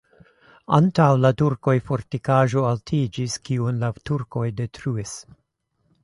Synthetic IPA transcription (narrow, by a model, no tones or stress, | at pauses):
antawlatuɾko̞jfo̞ɾtikaʒo̞altʰid͡ʒiskiunlatuɾko̞jde̞tʰɾuis